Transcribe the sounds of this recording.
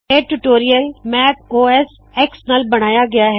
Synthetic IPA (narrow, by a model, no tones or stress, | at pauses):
eʈuʈoːɾijəlmɛːp̚oːɛs | ɛːksnaːlbɐɽ̃aːjaɡɐjaɦ